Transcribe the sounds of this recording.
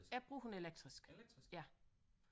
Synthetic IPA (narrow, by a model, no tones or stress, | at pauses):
æb̥ʁṵːhune̝leɡ̥̚d̥ʁisɡ̥jæ